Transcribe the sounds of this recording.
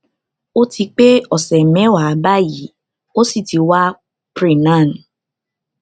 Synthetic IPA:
o˦ti˧k͡pe˦ɔ˨sɛ˨mɛ̃˨˦wa˨˦ba˦ji˨˦ | o˦si˦˨ti˧wa˦ | pɾi˨nã˦˨n˨

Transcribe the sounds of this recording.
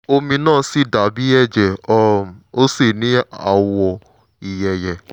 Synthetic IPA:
o˧mĩ˧nãː˦˨˦si˦˨da˨˦bi˨˦ɛ˦˨d͡ʒɛ˨ɔ˧˦˨o˦se˦˨nĩ˦a̰˦˨wɔ˧˨ | i˨jɛ˨jɛ˨

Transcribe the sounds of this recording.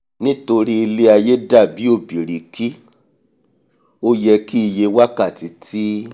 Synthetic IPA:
nĩ˦to˧ɾi˦i˧le˦a˧je˦da˦˨bi˨˦o˦˨bi˨ɾi˨ki˦ | o˦jɛ˧ki˦i˧je˧wa˦ka˦˨ti˨tʰi˦

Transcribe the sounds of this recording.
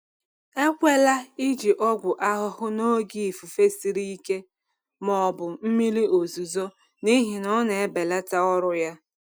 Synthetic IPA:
e˦kʷe˦la˦i˦d͡ʒi˨ʔɔ˦ɡʷʊ˨ʔa˦ɦʊ˦hʊ˦no˦ɡi˦i˨fu˨fe˦si˨ɾi˦i˦ke˦ | mɔ˨bʊ˨m̩˦mi˦li˦o˨zu˨zo˦ | ni˦ɦi˨nɔ˦ne˨e˦be˨la˦ta˦ɔ˦ɾʊ˦ja˦

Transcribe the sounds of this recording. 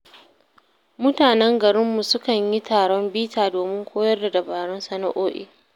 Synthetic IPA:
mʊ˦taː˨nɛ˦ŋɡɐ˨ɾɪ˦mːu˨sʊ˦kɐ˨ɲji˦taː˨ɽɔ˦mbiː˦taː˨doː˨mɪ˦ŋkʷʰoː˦jɐ˦rda˨dɐ˨baː˨ɽɔ˦nsɐ˦na˦ʔoː˦ʔḭ˨

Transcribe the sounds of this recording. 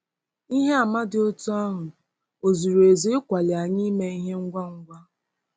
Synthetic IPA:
i˦ɦe˦a˨ma˦dɪ˨o˦tu˦ɔ˦ɦʊ˨ | o˨zu˨ɾu˨e˨zi˦ɪ˦kʷa˨lɪ˨a˨ɲi˦me˦i˦ɦe˦ŋ̩˦ɡʷa˦ŋ̩˦ɡʷa˦

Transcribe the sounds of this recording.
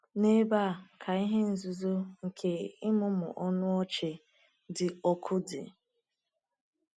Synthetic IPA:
ne˦ba˦˨kʰa˨i˦ɦe˦n̩˨zʊ˨zo˦ŋ̩˨kʰe˦ɪ˦mʊ˦mʊ̰˨ʔɔ˦nʊ˦ɔ˦t͡ʃe˨ | dɪ˨ɔ˦kʰʊ˦dɪ̰˨

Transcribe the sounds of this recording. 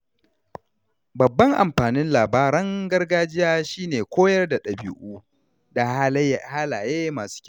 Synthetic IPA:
bɐ˨bːɐ˦ŋʔa̰˨mɸaː˨nɪ˦nlaː˨baː˦ɾɐ˦ŋɡɐ˦rɡaː˦d͡ʒɪ˦jaː˦ʃiː˦neː˨kʷoː˦jɐ˦rda˨ɗɐ˨bṵ˦ʔuː˦ | da˨˦haː˦laː˨jeː˦maː˨su̥ː˦kʲ

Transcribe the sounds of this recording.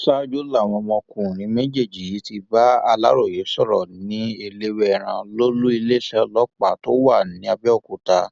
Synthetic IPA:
sa˦d͡ʒo˦la˦˨w̃ɔ̃˧mɔ̃˧kũ˦˨ɾ̃ĩ˨˦me˦d͡ʒe˦˨d͡ʒi˨ji˨˦ti˧ba˦a˧la˦ɾo˦˨je˨˦sɔ˦˨ɾɔ̰˨nĩ˦e˧le˦wɛ˦ɛ˨ɾ̃ã˧lo˦lu˦i˧le˦ʃɛ˦˧lɔ˦k͡pa˦˨to˦wa˦˨nĩ˨˦a˧bi˦ɔ˦˨ku˨ta˧

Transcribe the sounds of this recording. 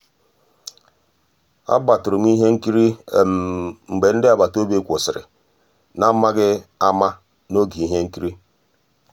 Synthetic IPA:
a̰˦ba˨tʊ˨ɾʊ˨m̩˦i˦ɦe˦ŋ̩˦ki˦ɾi˦˨ | ŋ͡m̩˨ɡ͡be˨n̩˦dɪ˦a˨ba˨to˦be˦kʷʊ˨sɪ˨ɾɪ̰˨ | na˦ma˦ɡɪ˦a˦ma˦ | no˦ɡi˨i˦ɦe˦ŋ̩˦ki˦ɾi˦

